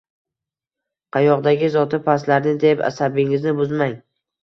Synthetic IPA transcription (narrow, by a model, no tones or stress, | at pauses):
qʰɑjɒqd̪aɡʲɪzɒt̪ʰɪpʰaslaɾnɪd̪e̞pa̰sabɪŋɪznɪbʊzmaŋ